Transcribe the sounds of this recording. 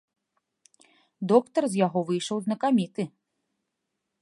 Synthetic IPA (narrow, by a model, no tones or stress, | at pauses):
d̪ɔkt̪ɐrzʲjaɣɔvɨjʂɐwznɐkamʲit̪ɨ